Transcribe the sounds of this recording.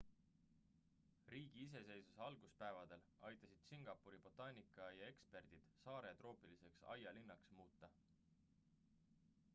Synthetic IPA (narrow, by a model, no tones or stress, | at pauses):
riːɡ̥iis̬e̞se̞jsuseɑlɡ̥uspæe̞vɑd̪e̞l | ɑjt̪ːˑɑsid̪̥siŋɡ̥ɑpːuɾib̥o̞t̪ːɑnʲikːˑɑjɑe̞kspe̞rd̪̥id̪̥sɑːɾe̞t̪ro̞ːpilise̞ksɑ̰jɑlinːɑksmuːt̪ːɑ